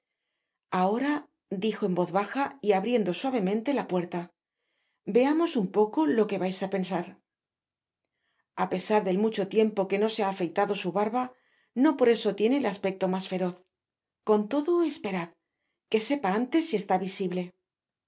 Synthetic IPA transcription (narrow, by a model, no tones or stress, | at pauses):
ao̞ɾa | d̪ixo̞e̞mbo̞ðβaxaiaβɾje̞nd̪o̞swaβ̞e̞mẽnt̪e̞lapwe̞ɾt̪a | be̞amo̞sumpo̞ko̞lo̞ke̞βajsape̞nsaɾ | ape̞saɾðe̞lmut͡ʃo̞t̪je̞mpo̞ke̞no̞seaːfejt̪aðo̞suβaɾβa | no̞po̞ɾe̞so̞t̪je̞ne̞ːlaspe̞k̚t̪o̞masfe̞ɾo̞θ | ko̞nt̪o̞ðo̞e̞spe̞ɾað | ke̞se̞paant̪e̞sːie̞st̪aβisiβle̞